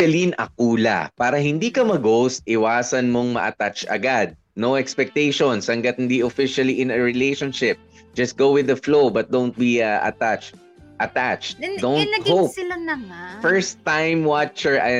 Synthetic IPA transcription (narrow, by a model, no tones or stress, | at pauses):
ɐlinʔɐ̰k̚uːlɐ̰paːɾɐhɪnd̪ikɐmɐɡowsʔɪwaːsɐnmo̞ŋmɐ̰ʔɐ̰t̪at͡ʃʔɐ̰ɡad̪̚ | noʔɛkspɛk̚t̪ejʃonshɐŋɡɐt̪̚hɪnd̪iʔofɪʃɐliʔɪ̃nɐɹɪlejʃonʃɪp̚ | d͡ʒɐst̪̚ɡowwɪðɐflowbɐt̪̚d̪õwnt̪̚biɐʔɐ̰t̪at͡ʃt̚ | ʔɐt̪at͡ʃt̪̚d̪ownt̪hoɪlanɐmfɛɹst̪ːãjmwat͡ʃɛɹʔ